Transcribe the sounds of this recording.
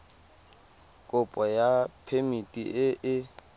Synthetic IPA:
kʼʊpʼɔjapʰemitʼiɪʔɪ

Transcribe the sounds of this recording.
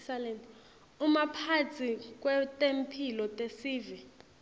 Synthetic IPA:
salɛnt | umapʰat͡sʰik̬ʼwɛtʼempʰilɔtʼesiːvi

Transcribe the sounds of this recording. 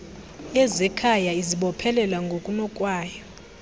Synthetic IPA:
jɛzɛkʰajaiziɓɔpʰɛlɛlwaŋɡʱokʼunɔkʼwaːjɔ

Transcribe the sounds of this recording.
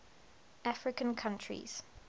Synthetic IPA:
ʔafɹɪkə̃nkʰãntʰɹḭz̥

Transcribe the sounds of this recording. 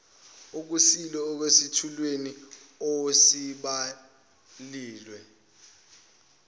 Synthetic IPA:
uk̬usilɔːk̬wesitʰulweni | osiɓa | liːlwɛ

